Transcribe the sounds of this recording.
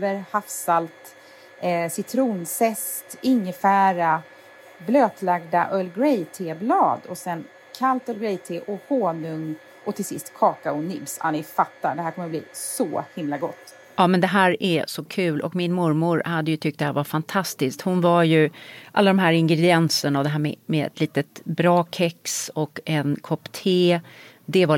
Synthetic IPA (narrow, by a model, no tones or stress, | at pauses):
vəɾhafsalt̪ | sɪt̪ʰɾuːnsɛst̪ɪŋːəfæːɾa | bløːt̪laɡ̚d̪aʔœlɡɾɛjt̪ʰeːblɑːd̪ɔsɛn | kʰalt̪œlɡɾɛjt̪ʰeːʔɔhoːnɵŋ | ʔɔt̪ʰɪlsɪst̪kʰɑːkaʊnɪbsa̰nɪfat̪ːaɖ̪ɛhæːɾkʰɔmːəblḭːssɔhɪmlaɡɔt̪ː | ɑːmɛnd̪ɛɦæːɾɛsɔkʰʉ̟ːlʔɔ̰kmɪnmʊɾmʊɾhad̪ːəjɵt̪ʰʏk̚t̪d̪ɛhæːɾvaɾfant̪ʰast̪ɪsk̚t̪hʊnvaɾjɵʔa̰lːad̪ɔmɦæːɾɪŋɡɾɛd̪ɪɛnsənavd̪ɛɦæːɾmɛ̰mɛɛ̰t̪ʰliːt̪ət̪bɾɑːkʰɛksɔkɛnkʰɔpt̪ʰeː | d̪ɛva